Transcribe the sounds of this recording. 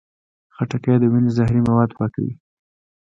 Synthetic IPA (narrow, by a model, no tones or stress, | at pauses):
xaʈakad̪əwinezaɦɾimawɑd̪pɑka̰wḭ